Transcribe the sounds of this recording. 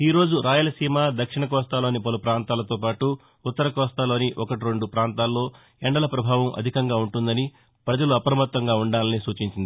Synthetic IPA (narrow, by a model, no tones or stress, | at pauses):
iːɾo̞ːd͡ʒuɾaːjɐlɐsiːmaːd̪ɐkʂiɳɐk̬ɔːst̪aːlo̞ːnipɐlupɾaːnt̪aːlɐt̪o̞ːpaːʈuː | t̪ːɐɾɐkɔːst̪aːlo̞ːniʔɔkɐʈiɾe̞ɳɖupɾaːnt̪aːlːo̞ː | ɛɳɖɐlɐpɾɐbʱaːʋɐmʔɐ̰d̪ʱikɐŋɡaːuɳʈund̪ɐni | pɾɐd͡ʒɐluɐpɾɐmɐt̪ːʋɐŋɡaːuɳɖaːlɐnisuːt͡ʃiɲt͡ʃind̪i